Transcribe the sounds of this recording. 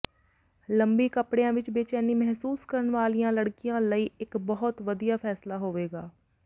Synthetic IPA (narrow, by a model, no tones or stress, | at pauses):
ləmbiːkəpɽejãːʋɪt͡ʃbɪt͡ʃɛːniːmɛɦsuːskəɾəɳʋaːlijãːləɽkɪjãːləiːɪkbɔɦʊt̪ʋəd̪ijaːpʰɛːslaːɦoːʋeːɡaː